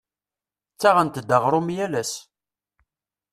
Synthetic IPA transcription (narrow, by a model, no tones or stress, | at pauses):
t͡sːaʁənt̪d̪ːəʁɾˤʊmjælæs